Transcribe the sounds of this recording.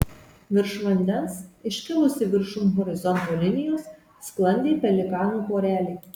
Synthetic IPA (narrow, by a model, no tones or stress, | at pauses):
ʋʲɪɾʃʋɐnʲd̪ʲɛnsɪʃʲkʲɪlˠʊsʲɪʋʲɪɾʃʊmɣɔɾʲɪzɔnt̪oːlʲɪnʲɪjoːsː | klˠɐnʲd̪ʲeːpʲɛlʲɪkɑːnuːpoːɾʲæːlʲeː